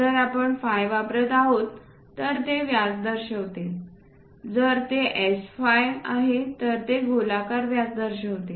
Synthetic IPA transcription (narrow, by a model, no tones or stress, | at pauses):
əɾapəɳfajʋapɾət̪aɦot̪ː | əɾt̪eʋjat͡sd̪əɾɕəʋt̪e | d͡zəɾt̪eʔɛsfajaɦet̪əɾt̪eɡʱolakaɾʋjat͡sd̪əɾɕəʋt̪e